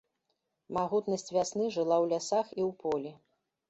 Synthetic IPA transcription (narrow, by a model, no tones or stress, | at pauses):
maɣut̪nɐsʲt͡sʲvʲasnɨʐɨlˠawlʲasaxiwpɔlʲi